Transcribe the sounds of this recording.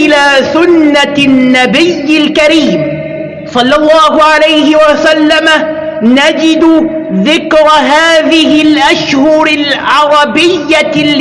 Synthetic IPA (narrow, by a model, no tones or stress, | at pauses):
ʔɪlaːsʊnːanːabɪjːɪlkaɾiːm | sˤɑlːɑlˤːɑːɦʊʕalajhɪwasalːama | nad͡ʒɪd̪ʊðɪkɾˤɦaːðɪɦɪlʔaʃhʊɾɪlʕɑɾˤɑbɪjːa